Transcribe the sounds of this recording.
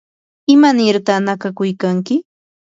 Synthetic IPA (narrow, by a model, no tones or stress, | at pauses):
ɪmanɪɾt̪anakakʊjkaŋkɪ